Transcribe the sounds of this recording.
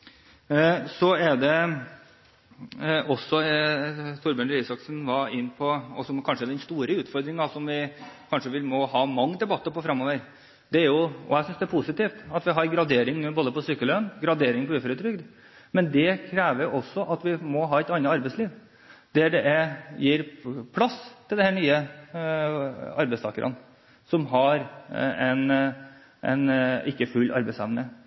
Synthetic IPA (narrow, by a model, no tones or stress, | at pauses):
sɔæɖ̪ɛ | ɔsːɔ | t̪ʰʊɾbøːnɾiːsɑksn̩ʋɑɪnːpʰɔɔsɔmkʰɑnʂəɛd̪ɛd̪ɛnst̪uːɾəʉːt̪fɔɾd̪ɾɪŋd̪ɑsɔmʋɪkʰɑnʂəʋɪlmɔɦɑːmɑŋːəd̪ɛbɑt̪ːəpɔfɾɑmoːʋəɾ | d̪̥ɛæɾjʊɔɛsʏnsd̪ɛːpʰusɪt̪iːft̪ɑt̪ʋɪɦɑɾɡɾɑd̪eːɾɪŋnːboːd̪əpɔsyːkːəlœnɡɾɑd̪eːɾɪŋpʰɔʉːfɾət̪ʰɾʏɡd̪ | mɛnd̪ɛkʰɾæːʋəjʊʔɔsːɔʔɑt̪ʋɪmɔɦɑːɛɪt̪ɑnːɑɑɾbɛɪsliːʋ | d̪̥ɛɖɛʔɛjiːɾpʰlɑsːt̪ʰɪld̪ɛhæːnyːə | ɑɾbɛɪst̪ɑːkəɾʔɑ̰n | sɔmɦɑɾɛn | ʔɛ̰nɪkːəfʉlːʔɑ̰ɾbɛɪsɛʋnə